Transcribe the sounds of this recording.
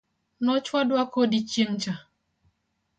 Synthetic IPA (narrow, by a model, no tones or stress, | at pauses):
nɔt͡ʃwadʊakodit͡ʃen̩t͡ʃa